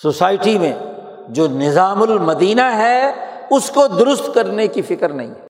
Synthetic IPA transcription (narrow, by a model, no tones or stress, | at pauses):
sosaːɪʈimẽ | d͡ʒoːnɪzaːmʊlmɐd̪iːnaɦɛʊskod̪ʊɾʊst̪kɐɾnekifɪkəɾnɐ̰ɦḭ̃ɦɛː